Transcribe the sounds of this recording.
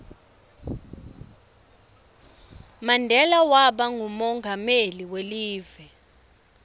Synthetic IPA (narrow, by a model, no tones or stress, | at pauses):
mandʱɛlawaɓaŋʱumɔŋɡʱameliweliːvɛ